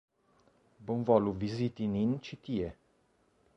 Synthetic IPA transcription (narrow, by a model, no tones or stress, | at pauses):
bunvɔluvizit̪inint͡ʃit̪ie